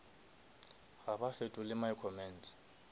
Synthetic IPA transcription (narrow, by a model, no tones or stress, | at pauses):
ɣabafetʼʊlɪmaikʰɔmɛn̩t